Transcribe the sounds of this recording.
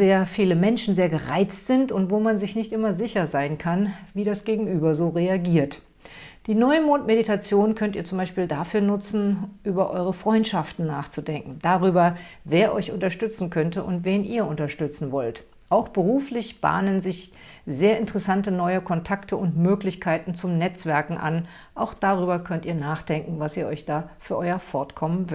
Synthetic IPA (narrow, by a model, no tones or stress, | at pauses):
zeːɐfiːləmɛnʃn̩zeːɐɡəʁaɪt͡stz̥ɪntʊntv̥oːmanzɪçnɪçtʔɪmɐzɪçɐzaɪnkʰanviːdasɡ̥eːɡŋ̩ʔyːbɐzoːʁeaɡiːɐt | d̥iːnɔʏmoːtmeditʰat͡sjoːnkʰœntiːɐt͡sʊmbaɪʃpiːldafyːɐnʊt͡sn̩ʔyːbɐʔɔ̰ʏʁəfʁ̥ɔʏntʃaftn̩nːaːχt͡sudɛŋkŋ̩d̥aʁyːbɐveːɐʔɔʏçʊntɐʃtʏt͡sn̩kʰœntəʔʊntv̥eːnʔiːɐʔʊntɐʃtʏt͡sn̩vɔlt | ʔaʊxb̥əʁuːflɪçb̥a̰ːnənzɪç | zeːɐɪntəʁɛsantənɔʏəkʰɔntʰaktʰəʊntmøːklɪçkʰaɪtn̩t͡sʊmnɛt͡sv̥ɛɐkŋ̩ʔa̰n | ʔaʊxd̥aʁyːbɐkʰœntʔiːɐnaːχd̥ɛŋkŋ̩vasiːɐʔɔʏçd̥aːfyːɐʔɔʏɐfɔɐtkʰɔmənv